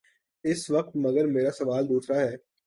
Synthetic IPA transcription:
ɪsʋɐq̚t̪mɐɡəɾmeːɾasɐʋaːld̪uːsɾaɦɛː

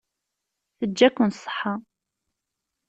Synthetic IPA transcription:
θəd͡ʒːækʷːʊnsˤə̥ħɑ

